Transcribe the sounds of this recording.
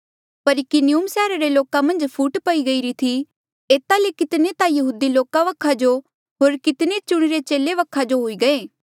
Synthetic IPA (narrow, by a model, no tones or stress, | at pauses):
pɐɾɪkiniumsɛːɾaɾeloːkamɐ̃nd͡ʒpʰuːʈpɐiɡɐiɾit̪ʰi | eːt̪alekɪt̪net̪ajɐɦuːd̪iloːkaʋɐkʰad͡ʒo | ɦoːɾkɪt̪net͡ʃʊɽ̃ɪɾet͡ʃeːleʋɐkʰːad͡ʒoɦoːiɡɐeː